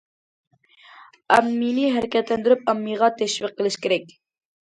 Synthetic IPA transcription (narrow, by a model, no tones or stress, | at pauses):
æmːinɪɦæɾɪkʲɛt̪lɛnd̪yɾyp̚ɑmːiʁɑt̪ʰɛʃviqːəlˠɨʃkʲeɾɛkʲ